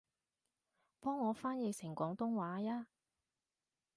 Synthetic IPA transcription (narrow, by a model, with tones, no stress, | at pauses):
pɔː˥ŋːɔː˨˧faː˥njɛː˨˧sɪ˨˩ŋkʷɔː˨˥ŋt̪ʊ˥ŋwaː˨˥jaː˥